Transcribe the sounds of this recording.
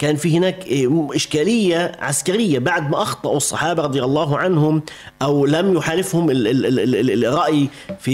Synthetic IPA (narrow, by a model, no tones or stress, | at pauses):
kaːnfihɪnaːkʔɪʃkaːlɪjːaʕaskaɾɪjːabaʕd̪maʔɑxt̪ˤɑʔusˤːɑ̰ħɑːbɑɾˤɑd̪ˤjɑlˤːɑːɦʕanhʊm | ʔawlamjʊħaːlɪfhʊmɪ | rˤɾˤɑʔji | fi